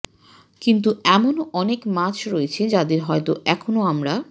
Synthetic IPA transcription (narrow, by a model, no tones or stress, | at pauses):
kint̪̬uɛmonoʔɔnekmat͡ɕʰɾɔet͡ɕʰed͡ʑad̪eɾɦɔet̪oʔɛkʰonoamɾa